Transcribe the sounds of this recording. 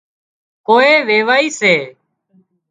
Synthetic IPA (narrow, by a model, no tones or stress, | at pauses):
koːeːʋeːʋaːiːseː